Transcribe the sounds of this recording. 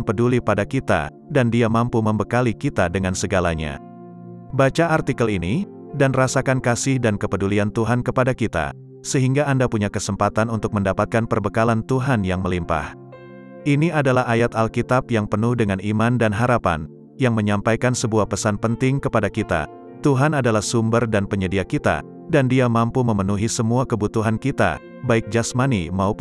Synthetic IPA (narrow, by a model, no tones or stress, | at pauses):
npədulipadakit̪a̰ | dandiamampuməmbəkalikit̪adəŋansəɡalaɲa̰ | bat͡ʃaːrt̪ikəlini | danrasakankasɪhdankəpəduliant̪uɦankəpadakit̪a̰ | səɦiŋɡaːndapuɲakəsəmpat̪anunt̪ʊk̚məndapat̪̚kanpərbəkalant̪uɦanjaŋməlimpa̰h | ʔiniadalahajat̪alkit̪apjaŋpənʊhdəŋanimandanɦaɾapa̰n | jaŋməɲampajkansəbuahpəsanpənt̪ɪŋkəpadakit̪a̰ | t̪uɦanadalahsumbərdanpəɲədiakit̪a̰ | dandiamampuməmənuɦisəmuakəbut̪uɦankit̪a̰ | baɪk̚d͡ʒasmanḭmaup